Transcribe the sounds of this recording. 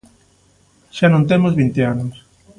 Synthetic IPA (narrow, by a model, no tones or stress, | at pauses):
ʃanõnt̪emozβint̪eanos